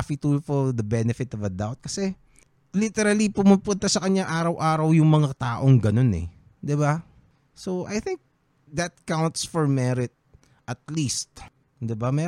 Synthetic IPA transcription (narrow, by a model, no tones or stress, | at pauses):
fit̪ulfoɹd̪ɐbɛnɛfɪt̪ɔvɐd̪awt̪̚kɐsɛ | lit̪ɛɾɐlipʊmʊpʊnt̪ɐsɐkɐɲaʔaːɾɐwʔaːɾɐwjʊŋmɐŋat̪aːʔoŋɡɐno̞nɛ̰ | d̪ɪba | sowʔajθɪŋk̚ | d̪ɐt̪̚kawnt̪sfɔɹmɛɾɪt̪̚ | ʔɐt̪list̪̚ | d̪ɪbamɛ